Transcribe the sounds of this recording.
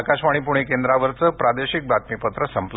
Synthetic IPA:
kaɕʋaɽ̃ipuɽ̃ekend̪ɾaʋəɾt͡səpɾad̪eɕik̚bat̪̚mipət̪ɾəsəmpl

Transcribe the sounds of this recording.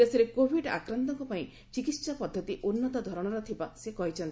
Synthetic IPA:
eseɾekobʱiɖa̰kɾɔnt̪ɔŋkɔpaĩ | t͡ʃikit̪sapɔd̪ʱːɔt̪iʔonːɔt̪ɔd̪ʱɔɾɔɽ̃ɔɾɔt̪ʰibasekɔɦit͡ʃʰɔnt̪i

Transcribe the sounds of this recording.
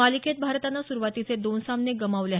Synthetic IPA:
alikʰet̪̚bʱaɾt̪anːasuɾuʋat̪it͡sed̪onsamneɡəmaʋljaɦ

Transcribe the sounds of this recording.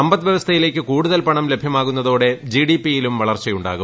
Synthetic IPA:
ɐmbɐt̪ːʋjɐʋɐst̪ʰɐjile̞ːk̬ʲːɨkuːɽuðɐlpɐɳɐmle̞bʱjɐmaːɣunːɐðoːɽe̞d͡ʑiɽipːijilumʋɐɭɐrt͡ɕɐjuɳɖa̰ːɣu

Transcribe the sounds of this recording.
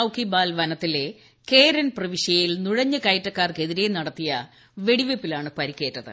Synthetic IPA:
ɐwkːibaːlʋɐnɐt̪ːile̞ | ke̞ːɾɐnprɐʋiɕjɐjilnuɻɐɲːɨkɐjtːɐkːaːrke̞ðiɾe̞nɐɽɐt̪ːijɐ | ʋe̞ɽiʋepːilaːɳɨpɐɾikʲːe̞ːʈːɐðɨ̰

